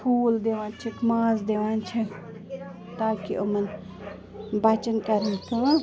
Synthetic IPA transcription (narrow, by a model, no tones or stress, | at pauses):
pʰuːld̪eʋãːnt͡ʃʰikmaːzd̪eːʋãːnt͡ʃʰi | t̪aːkiʔʊmɐn | bɐt͡ʃɐnkɐɾənkaː